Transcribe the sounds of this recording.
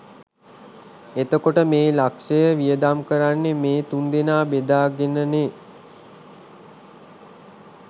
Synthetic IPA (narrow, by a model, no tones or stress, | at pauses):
et̪əkoʈəmeːlakʂəjəʋijəd̪amkəɾanːemeːt̪und̪inaːbed̪aːɡenəne